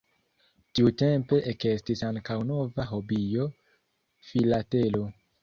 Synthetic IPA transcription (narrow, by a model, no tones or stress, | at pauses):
tiute̞mpe̞ʔeke̞stisaŋkawno̞vaɦo̞bijo̞ | filate̞lo̞